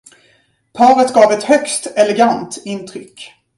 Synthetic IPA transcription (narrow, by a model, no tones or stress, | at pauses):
pʰɑːɾət̪ɡɑːvɛt̪hœkst̪ɛlɛɡant̪ɪnt̪ʰɾʏkː